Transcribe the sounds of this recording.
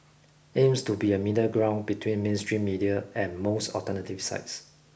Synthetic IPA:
ẽmstubiəmidəɡɹãʊ̃nbitʰwĩnmẽnstɹĩmːidiəɛ̃nmostɔ̰ltənətiv̥sa̰ɪts

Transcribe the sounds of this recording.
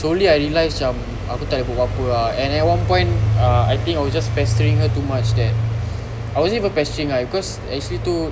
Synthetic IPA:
soliajɹilajsãm | a̰kut̪aʔləpopapəaɛ̃nɛt̚wãnpɔ̃j̃ntaajt̪ĩŋkajwɔsd͡ʒaspɛstəɹĩŋɦətumat͡ʃdɛt̚ | ajwɔsɛvə̃npɛstəɹĩŋabikɔs | ɛ̰k̚t͡ʃuəlit̪u

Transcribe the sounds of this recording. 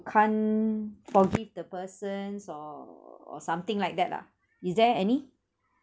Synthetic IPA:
kʰãnfɔɡivdəpəsə̃nsɔɔ̰sãmt̪ɪ̃ŋlajk̚dɛt̚la̰ | isdɛɛni

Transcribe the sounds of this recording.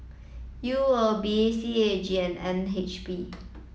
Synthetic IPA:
juəbiesied͡ʒiɛ̃nɛ̃nɦet͡ʃbi

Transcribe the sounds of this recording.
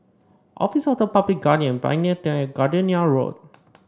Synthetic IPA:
ʔɔ̰fisɔfdəpablik̚ɡadiə̃nbã̰j̃nət̪ɛ̃ɛɡadəniaɹo̰d̚

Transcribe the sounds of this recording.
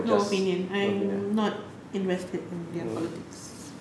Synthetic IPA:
oopĩnjə̃nãj̃mnɔt̚ | ɪ̃nvɛstʰədɪ̃ndɛpʰɔlɪtɪks

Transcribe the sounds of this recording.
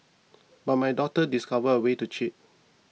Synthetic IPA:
bat̚majdɔtədiskavəəwetut͡ʃit̚

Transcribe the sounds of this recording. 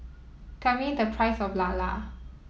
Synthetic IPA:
kamĩd̪əpʰɹajsɔflala̰

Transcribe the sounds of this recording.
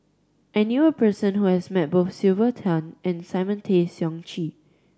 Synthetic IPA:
ʔɛnjuəpʰɜsə̃nhuhɛsmɛt̚boθsilvətʰãnʔɛ̃nsaɪmə̃ntʰesjɔ̃ŋt͡ʃi

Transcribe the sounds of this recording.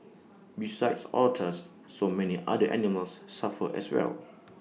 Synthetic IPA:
bisaɪdsɔtʰəsː | omɛniʔa̰dəʔɛ̰niməlsːafəʔɛ̰swɛ̰l

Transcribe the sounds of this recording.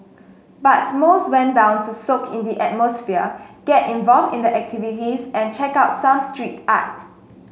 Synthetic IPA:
bat̚moswɛ̃ndãʊ̃ntʰusokʰĩndiʔɛt̚mɔsfiəɡ̥ɛtĩnvɔlvdĩndəʔɛk̚tʰivitisɛ̃nt͡ʃɛkaʊtsãmstɹita̰k̚t

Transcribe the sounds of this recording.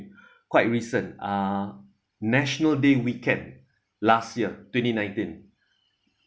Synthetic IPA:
kwajt̚ɹisə̃na | nɛʃənəldewikɛ̃nd | lastjiətwɛ̃ntinãj̃ntĩn

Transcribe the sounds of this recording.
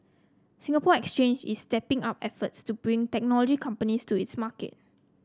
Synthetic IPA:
sĩŋɡapɔɛkst͡ʃẽnd͡ʒḭstɛpɪ̃ŋapɛfətstubɹĩŋtɛk̚nɔlɔd͡ʒikʰãmpənistuitsmakḛt̚

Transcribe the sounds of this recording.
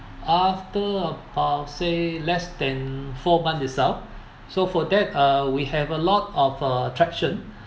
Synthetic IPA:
aftəəbaselɛsdɛ̃nfɔmãnisɛlf | sofɔdɛt̚ʌwihɛvəlɔtɔfəətʰɹɛkʃə̃n

